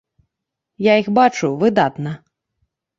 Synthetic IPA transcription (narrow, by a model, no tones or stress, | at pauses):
jaixbat͡ʂuvɨd̪at̪nɐ